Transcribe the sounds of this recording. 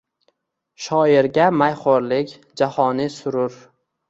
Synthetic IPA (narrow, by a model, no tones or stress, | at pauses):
ʃɒɪɾɡʲamajχoɾlɪkʲ | d͡ʒahɒnɪsʊɾʊɾ